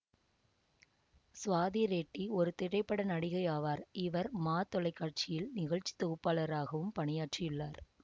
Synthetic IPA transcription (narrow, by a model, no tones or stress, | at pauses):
sʋaːðiɾeːʈːiɔɾɯt̪ɪɽɐɪpːɐɽɐnɐɽɪɣɐɪjaːʋaːɾɪʋɐɾmaːt̪ɔlɐɪkːaːʈ̚t͡ʃɪjɪlnɪɣɐɻt͡ʃi̥t̪ːɔɣɯpːaːɭɐɾaːɣɐʋɯmpɐɳɪjaːʈrɪjʊɭːaːɾ